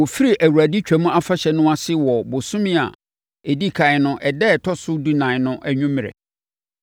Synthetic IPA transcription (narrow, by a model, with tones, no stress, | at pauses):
wɔ˨fi˦ɾi˨ʔæ˨wu˨ɾæ˨di˦t͡ɕᶣæ˨mʊ̃˦ʔa˦fa˦ɕɛ˨nʊ̃˦a˨sɪ˦wɔ˨bʊ˨sʊ̃˦mɪ̃˦a̰˨ | e˨di˦kʰã˨ɪ˨nʊ̃˦ʔɛ˨dɛ˦˨tʰɔ˦sʊ˦du˦nã˨ɪ˨nʊ̃˦ʔæ˨ɲũ˦mɪ̃˨ɛ̰˨